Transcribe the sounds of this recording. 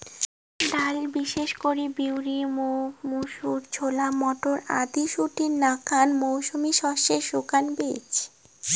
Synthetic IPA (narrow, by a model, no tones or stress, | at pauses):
ɖalbiʃeʃkoɾibiwɾimumuʃuɾd͡ʑʰʱolamɔʈoɾad̪iʃuʈiɾnakʰanmowʃumiʃɔʃeʃukanbḛt͡ɕ